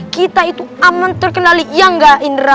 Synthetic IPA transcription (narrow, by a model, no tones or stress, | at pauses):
kit̪ait̪uamant̪ʊrkənalijaŋɡaʔinra